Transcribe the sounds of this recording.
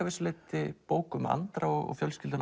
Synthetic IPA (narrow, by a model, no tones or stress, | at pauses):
avɪsleːt̪ɪpoːwkʏma̰nt̪ɾaɔɣɔ̰ɣfjœlscɪlt̪ʏn